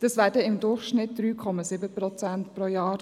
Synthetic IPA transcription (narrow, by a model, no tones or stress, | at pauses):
d̥ɑsvæːdəɪmd̪ʊrχʃnɪt̚d̪̥ɾyːkʰɔmɑsɪbəpɾɔt͡sæntpɾɔjɑːɾ